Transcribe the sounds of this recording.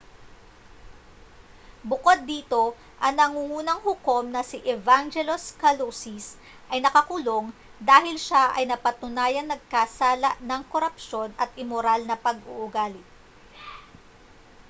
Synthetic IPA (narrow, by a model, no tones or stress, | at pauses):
bʊkod̪̚ːiːt̪o̞ | ʔɐŋnɐŋuːŋuːnɐŋhʊko̞mnɐsiʔɛvaŋd͡ʒɛloskɐlosis | ʔɐjnɐkɐkulo̞ŋ | d̪aːhɪlʃaʔɐ̰jnɐpɐt̪ʊnaːjɐnɐɡ̚kasaːlɐʔnɐŋkoɾɐpʃo̞nɐt̪̚ʔɪmoɾalnɐpɐɡʔuʔʊɡaːlɪt̪̚